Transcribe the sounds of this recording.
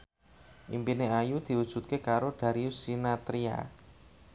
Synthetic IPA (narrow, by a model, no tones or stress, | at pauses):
ʔḭmpineajud̪̥i̤wud̥ʒ̥ṳt̪̚kekaɾoɖ̥a̤ɾisinat̪ɾia̰